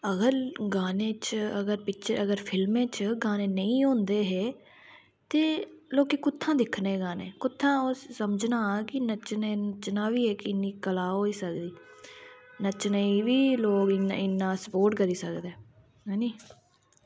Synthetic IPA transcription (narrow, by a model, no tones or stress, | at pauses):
əɡəɾɡaːnẽːt͡ʃəɡəɾpɪt͡ʃʰəɾəɡəɾpʰɪlmẽːt͡ʃɡaːneːnəĩːõːnd̪eːɦɛː | t̪eːloːkeːkʊt̪ʰːãːd̪ɪkʰnẽːɡaːnḛːkʊt̪ʰːãːsəməd͡ʒnaːkɪnət͡ʃneːnət͡ʃnãːʋiːeːkɪnːiːkəlaːɦoːiːsəkd̪iː | nət͡ʃnəĩːʋiːloːkɪnɪnːãːsəpoːɾʈkəɾiːsəkd̪eː | ɦɛːniː